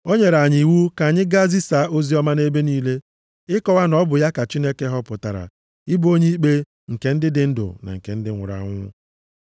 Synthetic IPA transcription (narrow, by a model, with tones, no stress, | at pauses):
o˦ɲe˨ɾa˨ɲi˨wu˦ka˨ɲɪ˦ɡa˦zi˦sa˨˦ʔo˦zi˦ɔ˦ma˦ne˦be˦niː˦le˦ | ɪ˦kɔ˨wa˦nɔ˦bʊ˨ja˦ka˨t͡ʃi˦ne˦ke˦ɦɔ˦pʊ˨ta˨ɾa̰˨ | ɪ˦bo˦ɲe˦i˦k͡pe˦ | ŋ̩˨ke˨˦n̩˦dɪ˦dɪ˨n̩˦dʊ̰˨na̰˨ŋ̩˨ke˨n̩˦dɪ˦ŋʷʊ̰˨ɾa̰˨˦ŋʷʊ˦